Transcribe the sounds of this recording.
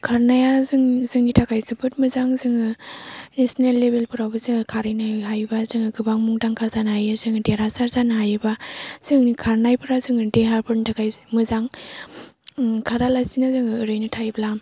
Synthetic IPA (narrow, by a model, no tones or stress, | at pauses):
kʰaɾnajazɯŋzɯŋnitʰakʰajsɯpʰɯtmɯzaŋzɯŋɯnesɔnelːebelpʰɯɾawbɯzɯŋɯkʰaɾɯjnaɦajbazɯŋɯɡɯbaŋmuŋdaŋkʰazanɦajɯzɯŋɯdeɾasaɾzanɦajɯbaz̥ɯŋikʰaɾnajpʰɯɾazɯŋɯdeɦaɾbʰɯɾntʰakʰajmɯzaŋ | kʰaɾalasinazɯŋɯɯɾɯjnɯtʰajblam